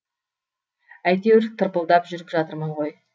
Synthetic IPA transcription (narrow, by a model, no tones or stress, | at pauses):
æjt̪e̞wɾ̚t̪ʰəɾpəlˠd̪ɑpʒʏɾɪpʒɑt̪əɾməɴʁo̞j